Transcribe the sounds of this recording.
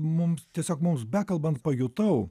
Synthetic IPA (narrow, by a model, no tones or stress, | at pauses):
mʊmst̪ʲiɛsʲoːkmʊmsbʲæːkɐlˠbɐnt̪̚pɐjʊt̪ɐʊ